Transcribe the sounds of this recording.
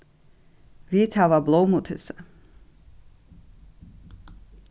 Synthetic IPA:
vit̪ʰavablˠowmut̪ʰɛsa

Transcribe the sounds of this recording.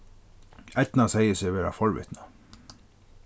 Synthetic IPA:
æt̪nɑsæɪəsɛʋeːɾa̰fɔɹʋɪ̰t̪nɑ

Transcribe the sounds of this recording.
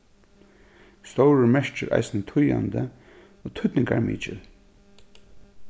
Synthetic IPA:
st̪owɹəɹmɛʂt͡ʃɪɾʔa̰jsɪnət̪ʰʊjand̪ə | oːt̪ʰʏt̪nɪŋɡaɹmḭːt͡ʃɪl

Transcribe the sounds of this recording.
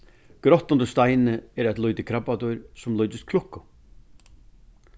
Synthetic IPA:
ɡ̥ɾɔht̪ɔnd̪əst̪ajnəɛɾɛjt̪lɔjt̪ɪkʰɾapːat̪ɔʏɾsɔmlɔʏt̪ɪst̪kʰlɔhkːʊ

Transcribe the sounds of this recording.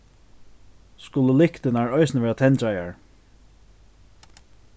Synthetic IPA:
skʊləlɪhkt̪ɪnaɹɔɪsnəʋɛːɹat̪ʰɛnt̪aja̰ɹ

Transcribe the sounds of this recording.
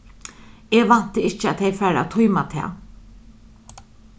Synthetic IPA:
eːʋan̥t̪əɪt͡ʃəat̪ʰejfæːɾa̰t̪ʰʊjmat̪ʰɛ̰ː

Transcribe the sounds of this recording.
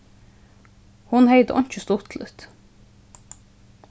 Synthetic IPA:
hʊnheɪd̪əʔɔ̰nt͡ʃəst̪ʊt̪ʰlət̪

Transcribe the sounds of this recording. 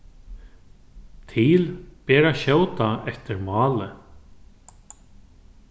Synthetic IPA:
t̪ʰilpɛːɾaʃoːwt̪aɛft̪ɪɾmɑːlɪ

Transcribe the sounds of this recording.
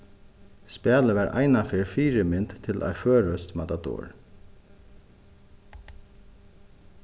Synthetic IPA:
spæːləʋɛɾʔa̰jnafɪɾfiːɾɪmɪnt̪t̪ʰɪlʔa̰jføːɾœst̪mat̪ad̪ɔ̰ːɹ

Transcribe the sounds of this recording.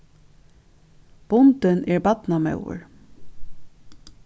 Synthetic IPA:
b̥ʊnt̪ɪnɛɹbɑt̪namœ̰wʊ̰ɹ

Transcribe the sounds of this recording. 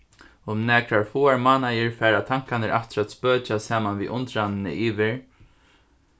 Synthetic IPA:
ʊmnɛːkɾaɹfuːaɹmaːnajɪɹfɛːɾat̪ʰaŋ̥kanɪɾʔa̰ft̪ɾat̪spøːt͡ʃasaːmanvḭʔʊnt̪ɾanɪnɪ̰ʔiːʋɪɹ

